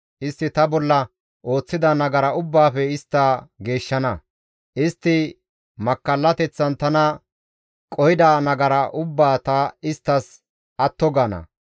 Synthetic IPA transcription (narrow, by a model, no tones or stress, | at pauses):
ʔɪst̪ːɪt̪ɐbɔlːɐ | ʔo̞ːt͡sːɪd̪ɐnɐɡɐɾɐʊbːaːfɛɪst̪ːaːɡe̞ːʃːɐnɐ | ʔɪst̪ːɪ | mɐkːɐlːɐt̪ɛt͡sːɐnt̪ɐnɐ | kʼɔɪd̪anɐɡɐɾɐʔʊbːaːt̪ɐɪst̪ːɐs | ɐt̪ːɔɡɐːnɐ̰